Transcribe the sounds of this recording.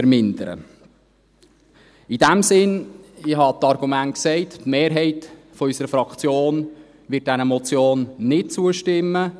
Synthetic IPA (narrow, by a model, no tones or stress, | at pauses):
əɾmɪnd̪əɾə̰ | id̥æmsɪnɪɦɑt̪ɑrɡ̥umæntksɛɪttmeːɾɦɛɪt | fɔysəɾəfɾɑkt͡sjoːn | ʋɪt̚dænəmɔt͡sjoːnːɪt̚t͡suəʃtɪmːə